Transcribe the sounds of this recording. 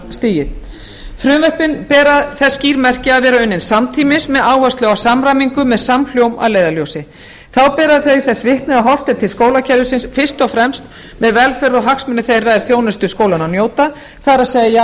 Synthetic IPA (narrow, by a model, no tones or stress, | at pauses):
st̪iːjɪ | fɾʏːvœhpɪnpɛːɾaðθɛsːciːɾmɛr̥cɪaðvɛːɾaʏnːɪnsamt̪ʰiːmɪsmɛðaːwhœst̪lɛːɣawsamɾajmiŋkʏmɛðsaml̥jowma̰ðleːjðaljowsɪ | θawpɛːɾaðθœɥθɛsvɪht̪nɪaɦɔr̥t̪ɛɾ̥t̪ʰɪlskoːwlacʰɛɾðʏsɪnsfɪr̥st̪ɔfɾɛmst̪ | mɛðvɛlfɛɾðɔɦaksmʏnːʏθejraðɛɾ̥θjoːwnʏst̪ʏskoːwlananjoːwt̪a | θaɾaseːjðɪja